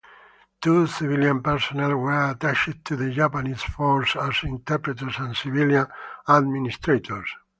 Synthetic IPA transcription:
t̪usiviljãnpɛɹsɔnɛlwɛɹat̪aʃɪd̪̚t̪ʰuðəd͡ʒapanisfɔɹsasĩnt̪ɛɾpɾɛt̪əɹsãnsiviljãnad̪minist̪ɾet̪ʰoɹs

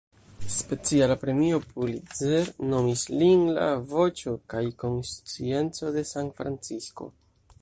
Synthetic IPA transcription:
spe̞t͡sialapɾe̞mio̞pulizeɾno̞mislinla̰vo̞t͡ʃo̞kajko̞nst͡sie̞nt͡so̞de̞santfɾant͡sisko̞̰

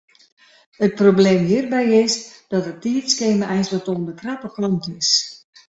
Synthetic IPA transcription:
ət̚probleːmɦiərbɛjɪsd̥ɔtətiːəskeːməʔɛjnsʋətoəndəkrapəkrɔntɪs

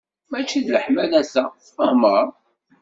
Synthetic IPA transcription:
mæt͡ʃːiðləħmælæsæ | fəhməɾˤ

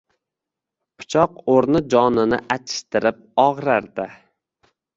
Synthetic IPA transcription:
pʰʊ̥t͡ʃʰɒqoɾnɪd͡ʒɒnɪnɪʔat̪ʰɪ̥ʃt̪ɪɾɪp̚ɒʁɾaɾd̪ɪ

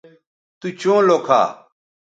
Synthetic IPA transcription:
t̪ut͡ɕõːloːkʰa̰ː

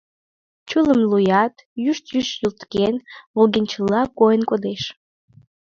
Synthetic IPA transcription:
t͡ɕuləmlujɑt̪jyʃt̪jyʃjult̪kenulˠɡenʲt͡ɕəlːɑkojənkod̪eʃ

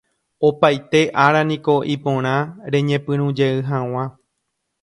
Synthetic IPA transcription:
opajt̪e̞ʔaɾanĩko̞ʔipõɾ̃ãɾẽ̞ɲẽ̞pɨ̃ɾ̃ũd͡ʒe̞ɨɦãw̃ã

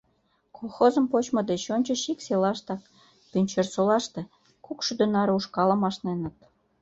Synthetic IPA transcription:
kʰolˠxozə̆mpot͡ɕmɤ̆d̪et͡ɕonʲt͡ɕə̆ʃikselɑʃt̪ɑk | pynʲt͡ɕĕrsolɑʃt̪ĕ | kukʃyd̪ønɑɾuʃkɑlɤ̆mɑʃnenə̆t̪̚

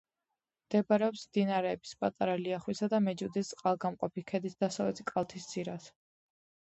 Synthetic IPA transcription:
md̪̥ɛbaɾɛɔpsmd̪inaɾɛːbispʼat̪ʼaɾaliaχwisad̪amɛd͡ʒud̪ist̪sʼqʼalˠɡamqʼɔpikʰɛd̪isd̪̥asavɛt̪ʰikʼalˠt̪ʰisd̪z̥iɾas

